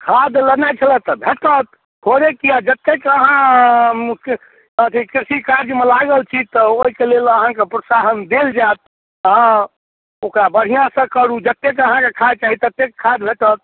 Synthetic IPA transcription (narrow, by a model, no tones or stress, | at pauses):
kʰad̪lənat͡ʃʰələt̪əbʱeʈət̪ | hoɾekiad͡ʒət̪ːekəɦã | k | ət̪ʰikɾisikaɾd͡ʒmelaɡəlt͡ʃʰit̪ɔoɦikeleləɦãkepɾosaɦənd̪eld͡ʒat̪̚ | ɦã | okɾabəɽ̤ijãsə̃kəɽud͡ʒət̪ːekəɦãkekʰad̪̚t͡ʃaɦit̪ət̪ːekkʰad̪bʱeʈət̪̚